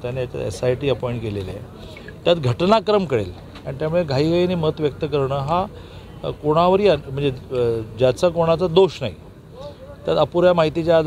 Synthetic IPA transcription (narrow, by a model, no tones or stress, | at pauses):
t̪janejat̪a̰ḛsajʈiːəpɔjɳʈkelel̰ | t̪jat̪ɡʱəʈnakɾəmkəɽḛl | aɽ̃it̪jamuɭeɡʱaiːɡainemət̪ʋjək̚t̪əkəɾɳəːɦa | koɽ̃aʋəɾiam̤əɳd͡zed͡ʑjat͡sakoɽ̃at͡sad̪oɕna̰ɦi | t̪jat̪əpuɾjamaɦit̪it͡ɕjaːd̪